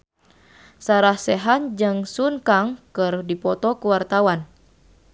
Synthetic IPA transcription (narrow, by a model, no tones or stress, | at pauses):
saɾahsɛɦand͡ʒɨŋsunkaŋkɨrdipɔt̪ɔkuwart̪awan